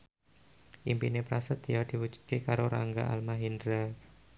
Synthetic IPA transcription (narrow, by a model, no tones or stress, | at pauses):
ʔimpinepɾasət̪jad̪̥i̤wu̥d͡ʒu̥d̪̚kekaɾoɾaŋɡa̰ʔa̰lmaɦindɾa